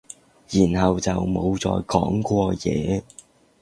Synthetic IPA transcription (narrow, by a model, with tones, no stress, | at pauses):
jiː˨˩nhɐ˨wt͡sɐ˨wmo˨˧wt͡sɔ̰ː˨jkɔː˨˥ŋkʷɔː˧jɛ̰ː˨˧